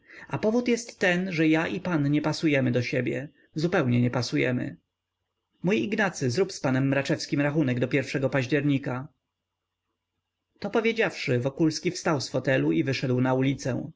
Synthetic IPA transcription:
apɔvut̪jɛst̪ːɛnʐɛjaʔipanɲɛpasujɛmɘd̪ɔɕɛbʲjɛ̰ | zupɛwɲɛɲɛpasujɛ̰mɘ̰ | mujiɡnat̪sɘzɾupspanɛmːɾat͡ʂɛfskʲimɾaxunɛɡd̪ɔpʲjɛɾfʂɛɡɔpaʑd͡ʑɛɾɲika | t̪ɔpɔvʲjed͡ʑafʂɘvɔkulskʲifst̪awsfɔt̪ɛluivɘʂɛd̪wnaulʲit̪sɛ̰w̃

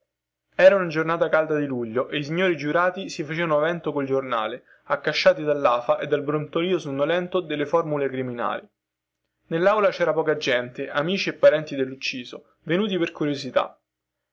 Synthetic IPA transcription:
ɛːɾaunad͡ʒornaːt̪akald̪ad̪iluʎːoʔeis̬iɲːoːɾid͡ʒuɾaːt̪isifat͡ʃeːvanoavɛnt̪okold͡ʒorna̰ːle | akːaʃːaːt̪id̪alːaːfaʔed̪ːalbɾont̪oliːosunːolɛnt̪od̪elːefɔrmulekɾimina̰ːli | nelːawlat͡ʃɛːɾapɔːkad͡ʒɛnt̪eʔamiːt͡ʃiepːaɾɛnt̪id̪elːut͡ʃːiːzo | venuːt̪̬iperkuɾjozit̪a̰

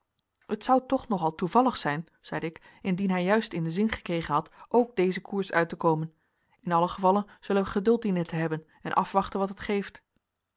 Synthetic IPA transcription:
ətsʌwtɔχnɔχɑlˠtuvɑləχsɛjn | z̥ɛjdəɪk | ɪndinɦɛjːœɥstɪndəzɪnχə̥krejχənɦɑtʔowɡ̚dejzəkʰuːɹsœ̰ɥtəkowmən | ɪnɑləχəvɑlənz̥ɵlənʋəχədɵlˠt̚dinəntəɦɛbən | ɛnʔɑ̰fʋɑχtənʋɑtɦətχejft

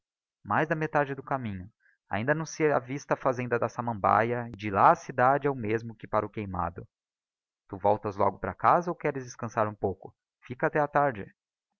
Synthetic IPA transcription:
majzd̪ɐmet̪ad͡ʒɪd̪ʊkamĩɲʊ | a̰ĩnd̪ɐnɐ̃w̃sɪavist̪ɐːfazẽnd̪ɐd̪ɐsamɐ̃mba̰jɐɪd͡ʒɪlaɐsid̪ad͡ʒɪɛʊmezmʊkɪpaɾʊkejma̰d̪ʊ | t̪uvɔwt̪ɐzlɔ̰ɡʊpɾɐ̰kazɐowkɛɾɪzd͡ʒɪskɐ̃saɾũpowkʊ | fikɐaːt̪ɛɐt̪aɾd͡ʒɪ

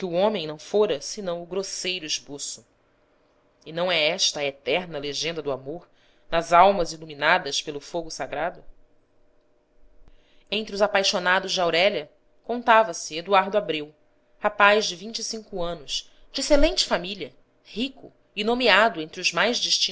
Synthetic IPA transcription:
kɪuõmẽj̃nɐ̃w̃foɾɐsɪnɐ̃w̃ʊɡɾosejɾʊiʃposʊ̥ | ɪnɐ̃w̃ɛɛʃt̪ɐːet̪ɛɾnɐleʒẽnd̪ɐd̪ʊamoɾ | nɐzawmɐziluminad̪ɐspelʊfoɡʊsaɡɾad̪ʊ | ẽnt̪ɾɪʊzapajʃonad̪ʊʒd͡ʒɪawɾɛlɐ | kõnt̪avɐsɪed̪uaɾd̪ʊabɾew | hapajzd͡ʒɪvĩnt͡ʃisĩŋkʊɐ̃nʊs | d͡ʒɪeselẽnt͡ʃɪ̥familʲɐ | hikʊ | ɪnomiad̪ʊẽnt̪ɾɪʊzmajzd͡ʒiʃt͡ʃĩ

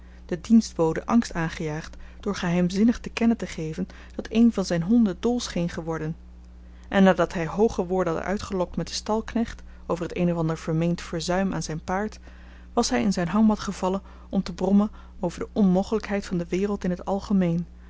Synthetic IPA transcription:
d̥ədinsd̚boːwdəʔɑŋstaːnχəjaːχtd̥ʊːɹχəɦɛjmzɪnəχtəkɛnəntəχejvən | d̥ɑtejnvɑnzɛjnɦɔndədolˠsχejnχəʋɔɹdən | ʔɛnːaːdɑtɦɛjɦowχəʋʊːɹdəɦɑtə̰œ̰ɥtχəlɔk̚tmɛtdəstɑlˠknɛχt | owvərɦətejnɔvɑndəɹv̥əɹmejntfəɹzœɥmʔa̰ːnzɛjnpaːɹt | ʋɑsɦɛjɪnzɛjnɦɑŋʋɑtχəv̥ɑlən | ɔmtəbrɔmən | owvəɹdəʔɔnmowχələkɦɛjtfɑndəʋɪːrəlˠtɪnɦətɑlˠχəmejn

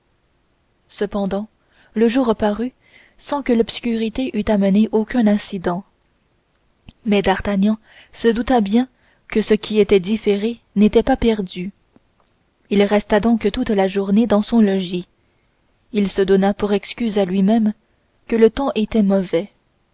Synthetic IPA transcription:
səpɑ̃d̪ɑ̃ | ləʒuːʁəpaʁy | sɑ̃kəlɔpskʲyʁit̪eʔyt̪aməneʔokʲœ̃nɛ̃sid̪ɑ̃ | mɛd̪aʁt̪aɲɑ̃ | səd̪ut̪abjɛ̃ | kəsəkʲʰiet̪ɛd̪ifeʁe | net̪ɛpapɛʁd̪y | ilʁɛst̪ad̪ɔ̃kt̪ut̪laʒuʁned̪ɑ̃sɔ̃lɔʒi | ilsəd̪ɔnapuʁɛkskʲyzalɥimɛm | kələt̪ɑ̃ʔet̪ɛmɔvɛ

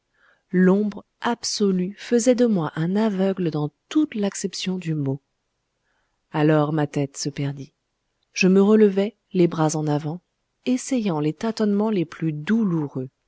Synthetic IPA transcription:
lɔ̃bʁ | absɔlyfəzɛd̪əmwaʔɛ̃navœɡləd̪ɑ̃t̪ut̪laksɛpsjɔ̃d̪ymo | alɔʁmat̪ɛt̪səpɛʁd̪i | ʒ̥əməʁələvɛ | lebʁazɑ̃navɑ̃ | esɛjɑ̃let̪at̪ɔnmɑ̃leplyd̪uluʁø

